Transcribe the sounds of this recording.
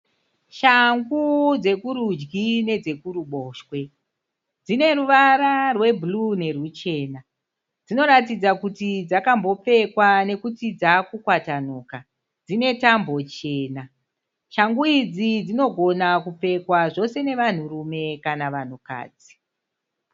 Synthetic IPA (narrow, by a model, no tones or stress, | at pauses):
ʃaŋɡud͡ze̞kuɾud͡ʒɡine̞d͡ze̞kuɾuɓo̞ːʃwe̞ | d͡zine̞ɾuʋaɾarwe̞blune̞rut͡ʃe̞ːna | d͡zino̞ɾatid͡zakutid͡zakambo̞p͡fe̞kwane̞kut͡sid͡zakukwatanoːka | d͡zine̞tambo̞t͡ʃe̞ːna | ʃaŋɡuid͡zid͡zino̞ɡʱo̞nakup͡fe̞kwaʐo̞se̞ne̞ʋan̤urume̞kanaʋan̤uka̰ːd͡zi̥